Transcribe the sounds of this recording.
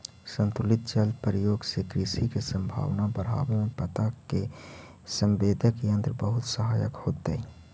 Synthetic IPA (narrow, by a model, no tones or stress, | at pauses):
sə̃nt̪ʊlɪt̪̚t͡ʃəlpəɾəjoːɡsekɾisikesə̃mbʱa̰ːʋnabəɾ̤a̰ːwemẽpət̪ake | sə̃mbeːd̪ʱəkiə̃nt̪ɾbəɦʊt̪səɦaːjə̰khoːt̪e